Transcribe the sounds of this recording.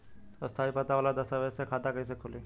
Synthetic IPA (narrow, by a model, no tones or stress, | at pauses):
ɔst̪ʰaːipət̪aʋaːlad̪ɐst̪aʋɛsekʰaːt̪akɐis̬ekʰʊliː